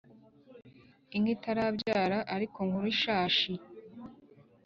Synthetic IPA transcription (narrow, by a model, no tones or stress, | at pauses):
iŋɡitaɾabɟaːɾaʔaɾikoŋhuɾuiʃaːʃi